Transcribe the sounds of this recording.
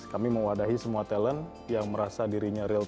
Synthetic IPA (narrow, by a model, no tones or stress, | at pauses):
kamiməwadaɦisəmuat̪ɛlən | jaŋməɾasadiɾiɲaɾil